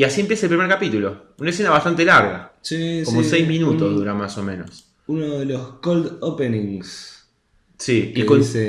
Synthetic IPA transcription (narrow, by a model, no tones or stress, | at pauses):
iasie̞mpjesaelpɾimeɾkapit̪ulo̞ | unaesenaβat̪ant̪e̞laɾɣa̰siskommosɛjzmĩnut̪oɦðuɾamasomẽnos | unoðeloskold̪openĩŋs | siikon